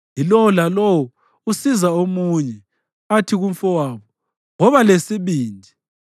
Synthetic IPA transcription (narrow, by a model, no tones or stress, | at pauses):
ɦilɔwɔlalɔwɔ | usizaomuɲɛ | atʰiɣum̩fɔwaːβɔ | ŋɔβalesiβiːndʱi